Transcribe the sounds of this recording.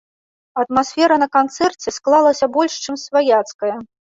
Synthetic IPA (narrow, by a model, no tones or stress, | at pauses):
ɐt̪masʲfʲɛɾɐnɐkant̪sɛrt͡sʲɛsklˠalˠɐsʲɐbɔlʲʂt͡ʂɨmsvajat̪skɐjɐ